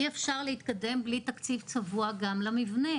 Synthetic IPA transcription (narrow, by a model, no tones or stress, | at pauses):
iefʃaʁleit̪kad̪e̞mblit̪akt͡sivt͡savuaɡamlamivne̞